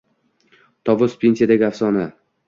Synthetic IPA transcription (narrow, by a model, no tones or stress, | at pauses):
t̪ʰɒvʊspʰʲensʲijad̪aɡʲafsɒna